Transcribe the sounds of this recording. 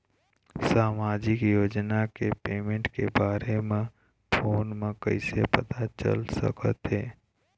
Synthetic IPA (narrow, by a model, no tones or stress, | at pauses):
saːmaːd͡ʒɪkjoːd͡ʒnakepeːmẽɳʈkebaːɾemẽ | pʰoːnmẽkə̰ɪsepət̪at͡ʃə̰lsə̰kət̪ɦɛː